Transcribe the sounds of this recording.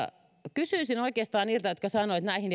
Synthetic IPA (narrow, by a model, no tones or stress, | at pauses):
kysyisinoikeːst̪ɑːnniːlt̪æjot̪kɑsɑnoit̪næihin